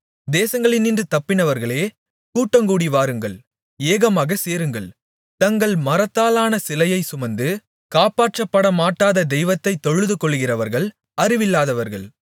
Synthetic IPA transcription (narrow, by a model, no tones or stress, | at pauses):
d̪eːsɐŋɡɐɭɪnɪndrɯt̪ɐpːɪnɐʋɐɾɣɐɭeː | kuːʈːɐŋkuːɽiʋaːɾɯŋɡɐɭ | eːɣɐmaːɣɐseːɾɯŋɡɐɭ | t̪ɐŋɡɐɭmɐɾɐt̪ːaːlaːnɐsɪlɐjɐɪsʊmɐnd̪ɯ | kaːpaːʈrɐpːɐɽɐmaːʈːaːðɐd̪ɛɪʋɐt̪ːɐɪt̪ːɔɻɯðɯkɔɭːɣɪrɐʋɐɾɣɐɭ | ɐrɪʋɪlːaːðɐʋɐɾɣɐɭ